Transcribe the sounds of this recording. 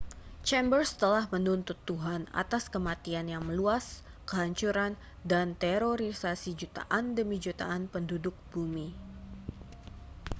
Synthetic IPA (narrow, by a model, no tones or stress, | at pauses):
t͡ʃɛmbərst̪əlahmənunt̪ʊt̪ːuɦana̰t̪askəmat̪ianjaŋməluas | kəɦaɲt͡ʃuɾan | dant̪ɛɾoɾisasid͡ʒut̪a̰ʔandəmid͡ʒut̪a̰ʔanpəndudʊk̚b̥umi